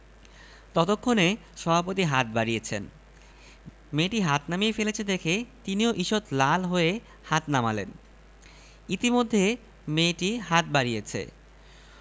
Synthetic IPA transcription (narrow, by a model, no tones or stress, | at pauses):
t̪ɔt̪okʰːone | ʃɔbʱapot̪iɦat̪̚baɾijet͡ɕʰen | meʈiɦat̪namiefelet͡ɕʰed̪ekʰet̪inioʔiʃot̪lalɦoe | hat̪namalḛn | it̪imod̪ʱːe | meʈiɦat̪̚baɾijet͡ɕʰḛ